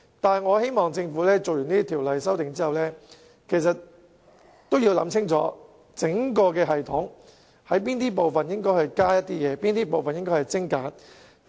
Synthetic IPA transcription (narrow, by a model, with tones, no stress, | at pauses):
t̪aː˨nɐ˨˩ŋɔː˨˧he˥jmɔː˨˩ŋt͡sɪ˧ŋfuː˨˥lɛː˥t͡so˨wjyː˨˩niː˥i˥t̪ʰiː˨˩wlɐ˨jsɐ˥wt̪ɪ˨ŋt͡siː˥hɐ˨wlɛː˥ | kʰe˨˩js̬ɐ˨t̚ | t̪o˥wji˧wlɐ̰˨˥mt͡sʰɪ˥ŋt͡sɔ̰ː˨˥ | t͡sɪ˨˥ŋkɔː˧kɛː˧ɦɐ˨jt̪ʰʊ˨˥ŋ | hɐ˨˥jpiː˥nt̪iː˥p̬o˨˩wfɐ˨njɪ˥ŋkɔː˥jhɐ˨jkaː˥jɐ˥t̚t̪iː˥jɛː˨˧˦piː˥nt̪iː˥p̬o˨wfɐ˨njɪ˥ŋkɔː˥hɐ˨˩jt͡sɪ˥ŋkaː˨˧˥n